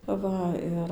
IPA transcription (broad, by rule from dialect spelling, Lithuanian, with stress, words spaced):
ˈʋɐ ɪr